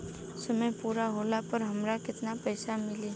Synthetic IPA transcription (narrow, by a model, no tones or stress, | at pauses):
sɐməjpuːɾaɦoːlapəɾɦɐmɾakɪt̪napɛːsamɪliː